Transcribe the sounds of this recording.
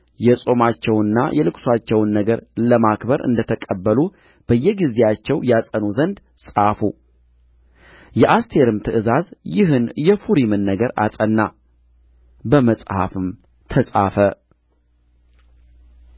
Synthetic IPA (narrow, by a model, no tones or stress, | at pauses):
jɛsʼo̞mat͡ʃːɛwɨnːa̰jɛlɨkʼswat͡ʃːɛwnːəɡəɾləmakbəɾɨ̰nd̪ət̪ʰəkʼəbːəlu | b̥əjːɛɡizejat͡ʃːɛwjasʼənuzənd̪ | sʼafu | jɛʔast̪ʰe̞ɾɨmt̪ʰɨʔɨzazjɪɦɨnjɛfuɾimɨnːəɡəɾa̰sʼənːa | bəməsʼha̰fɨm | t̪ʰəsʼa̰fə